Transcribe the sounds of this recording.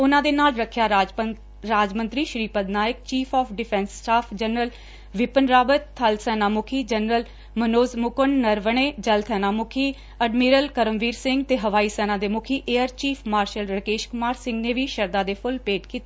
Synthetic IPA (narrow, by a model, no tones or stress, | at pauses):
ʊnãːd̪eːnaːlɾəkʰjaː | ɾaːd͡ʒmə̃nt̪ɾiːʃɾiːpəd̪naːjəkt͡ʃiːpʰɔːpʰɖɪpʰɛ̃ːnsːʈaːpʰd͡ʒənɾəl | ʋɪpənɾaːbət̪ʰːəlsɛːnaːmʊkʰiːd͡ʒənɾəl | mənoːzmʊkənːəɾʋəɳeːd͡ʒəlt̪ʰɛːnaːmʊkʰiː | əɖmiːɾəlkəɾəmʋiːɾsɪ̃ŋɡt̪eːɦəʋaːiːsɛːnãːd̪eːmʊkʰiːʔeːəɾt͡ʃiːpʰmaːɾʃəlɾəkeːʃkʊmaːɾsɪ̃ŋɡneːʋiːʃəɾd̪aːd̪eːpʰʊlpeːʈkiːt̪aː